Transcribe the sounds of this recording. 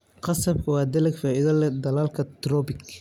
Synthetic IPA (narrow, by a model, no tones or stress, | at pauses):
qɑsɐb̚kʰɐwɑːd̪ɐlɐɡfaːʔɪðɐlɛd̪ɐlaːlkʰɐt̪rɔbɪk